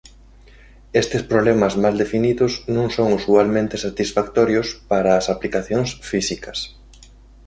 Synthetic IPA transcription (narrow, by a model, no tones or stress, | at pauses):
est̪ɪspɾoβlɛmɐzmald̪efiniðʊznõŋsoŋusualmẽnt̪esat̪isfakt̪ɔɾjʊspaɾaːsaplikaθjoŋsfisikɐs